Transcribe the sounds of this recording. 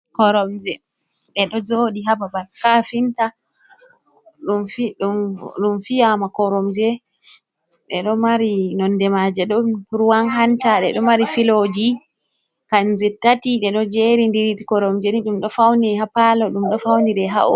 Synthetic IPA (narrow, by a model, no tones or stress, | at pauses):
kɔɾɔmd͡ʒɛ | ɗɛɗɔd͡ʒoːɗiɦababalkafinta | ɗumfiɗuɗumfijamakɔɾɔmd͡ʒɛ | ɗɛɗɔmaɾinɔndɛmad͡ʒɛɗɔɾuwanɦantaɗɛ̰ɗɔmaɾifilod͡ʒi | kand͡ʒɛtatiɗɛɗɔd͡ʒeɾindiɾitikɔɾɔmd͡ʒɛniɗumɗɔfawniɛɦapalɔɗumɗɔfawniɾɛɦa̰ʔɔ̰